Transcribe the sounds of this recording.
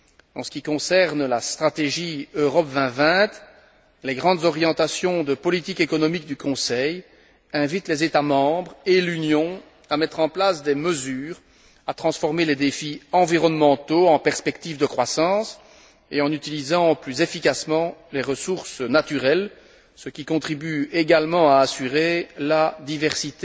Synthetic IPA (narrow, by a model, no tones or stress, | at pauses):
ɑ̰̃sə̥kʲikɔ̃sɛʁnlast̪χat̪eʒiøʁɔpvɛ̃vɛ̃t̪ | leɡʁɑ̃d̪zɔʁjɑ̃t̪asjɔ̃d̪əpɔlit̪ikekɔnɔmik̚d̪ykɔ̃sɛj | ɛ̃vit̪lezet̪amɑ̃bʁelynjɔ̃ | amɛt̪χɑ̃plasd̪eməzyːʁ | at̪χɑ̃sfɔʁmeled̪efiɑ̃viʁɔnmɑ̃t̪oɑ̃pɛʁspɛkt̪iːvd̪əkχwasɑ̃s | eɑ̃nyt̪ilizɑ̃plyzefikasmɑ̃leʁəsuʁsnat̪yʁɛl | səkʲikɔ̃t̪χibyeɡalmɑ̃aːsyʁelad̪ivɛʁsit̪e